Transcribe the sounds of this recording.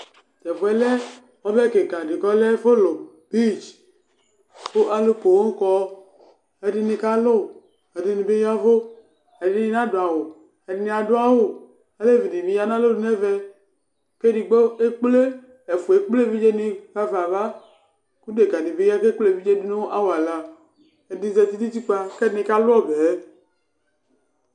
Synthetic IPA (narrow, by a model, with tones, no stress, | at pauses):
d͡ʒɛ˨vu˨ɛ˦lɛ˦ | ɔ˦bɛ˦ke˨ɡa˨di˨ɡɔ˦le˦fo˦lo˨ | bi˦d͡ʒ | ko˦ʔa˨lo˦ko˨wo˦ŋ̩˦kɔ˦ | e˨di˦ni˨ka˦lo˦ | e˨di˨ni˨be˦ja˦vo˦ | e˨di˨˦ni˦nã˦do˨a˨wo˨ | e˨di˨˦nĩ˨a˨do˦a˦wo˦ | e˦le˦˨vi˨di˨mi˨ja˦nã˦lo˦di˦nɛ˦ve˦ | ke˦di˨ɡ͡bo˦e˦k͡ple˦ | e˨fu˨e˨k͡ple˦vi˦d͡ʒe˦nĩ˦ka˦va˨va˦ | ku˦de˨ɡa˨ni˨be˦ja˦ke˦k͡ple˦˨vi˦d͡ʒe˦di˦ne˦o˦ʔa˦wo˨a˨la˨ | e˨di˦ze˨t̪i˦ti˦ti˦k͡pa˦ke˦ni˨ka˦lʊ˦ɔ˦be˨˦